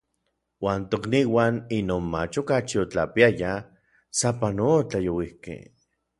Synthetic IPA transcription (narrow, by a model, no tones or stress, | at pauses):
waːnt̪okniːwaːninoːnmat͡ʃokat͡ʃiot͡ɬapiaja | sapanot͡ɬajowihkḛ